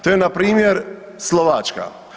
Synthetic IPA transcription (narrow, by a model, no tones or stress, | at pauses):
t̪oːjenapɾiːmjeɾ | slˠoʋat͡ʃka̰